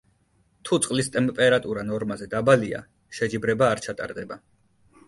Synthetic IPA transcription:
t̪ʰut̪sʼqʼlist̪ʼɛmpʼɛɾat̪ʼuɾanɔɾmazɛd̪abalia̰ | ʃɛd͡ʒibɾɛbaːɾt͡ʃʰat̪ʼa̰ɾd̪ɛba

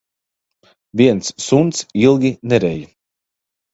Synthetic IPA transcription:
vʲiɛnsːunt̪silˠɡʲinɛɾɛj

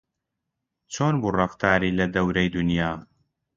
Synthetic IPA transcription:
t͡ʃʰoːnbuːrɑft̪ʰaːɾiːlɐd̪ɐwɾɐjd̪ʊnjaː

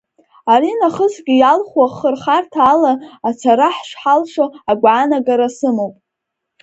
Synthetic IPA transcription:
aɾinaχəsɡʲɪjalχwaχərχartʰaːlaat͡sʰaɾaħʂʷħalʂoaɡʷʕanaɡaɾasɨmowpʼ

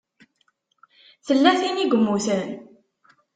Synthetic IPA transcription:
θəlːæθiniɡʷəmːuθən

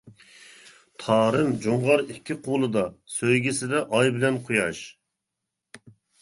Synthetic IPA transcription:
t̪ʰɑːɾɨmd͡ʒoɴʁɑɾikʲːɪqʰulˠɨd̪ɑsøjɡʲisɪd̪ɛʔɑjbɪlɛnqʰujɑʃ

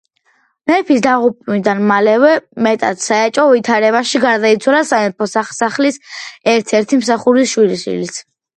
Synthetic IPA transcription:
mɛɾpʰisd̪aʁupʼnid̪anmalɛvɛmɛt̪ʼa̰t̪ʰsaɛt͡ʃʼɔvit̪ʰaɾɛβaʃiɡaɾd̪ait̪sʰwalasanɛpʰɔsasaχlisɛɾt̪ʰɛɾt̪ʰimsaχuɾisʃwiliʃḭlis

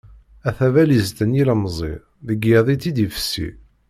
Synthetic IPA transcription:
æθævælizt̪ənjiləmzˤḭ | ðəɡjəðˤit͡sːid̪ifə̥sːḭ

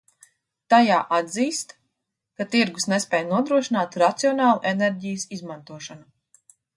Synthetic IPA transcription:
t̪ajaːʔad̪ziːst̪ | kat̪iɾɡusnespʲɛːjnuɔd̪ɾuɔʃinaːt̪ɾat̪siɔnaːlˠuʔeneɾɟijəsizmant̪uɔʃanu

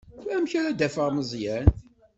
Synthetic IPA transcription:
æmçæɾæd̪æfəʁməzˤjæn

